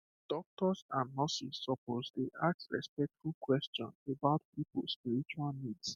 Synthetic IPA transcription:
d̥ɔk̚tɔsãnmɔsisːɔpozdeʔak̚sɹɛ̰spɛk̚tfulˠkwɛstɔ̰̃nebaʊtpipə̰lspiɹit͡ʃualnids

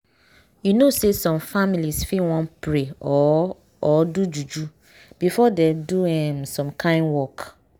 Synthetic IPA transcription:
junosesɔ̃mfamilisfĩwɔ̃npɹeɔ | ɔdud͡ʒud͡ʒu | b̥ifɔdeduɛ̃msɔ̃mkʰãɪ̃nwɔk

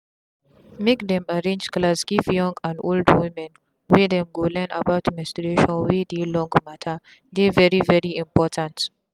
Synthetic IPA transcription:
mekdɛ̃maɹẽnd͡ʒklasɡifjɔ̃ŋɡãnoldwimɛ̃n | wedɛ̃mɡolɛnə̰baʊtmɛstɹeʃɔ̃nwedelɔ̃ŋɡmatʰə | devɛɹivɛɹiĩmpɔtʰãnt

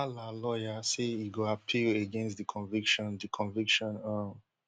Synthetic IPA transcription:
alalɔjaseiɡoapʰileɡɛ̃nstðəkʰɔ̃nvikʃɔ̃ndəkʰɔ̃nvikʃɔ̃na

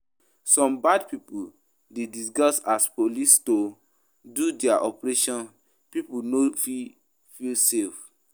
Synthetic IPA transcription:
sɔ̃mbadpipul | dedisɡɔsaspolisto | dudɛaʔɔpɹeʃɔ̃n | pipunofi | filsef

